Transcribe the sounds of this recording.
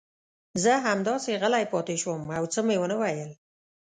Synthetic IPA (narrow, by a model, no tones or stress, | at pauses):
zəɦamd̪ɑseɣəlajpɑt̪eʃwəmawt͡səmewənəwajəl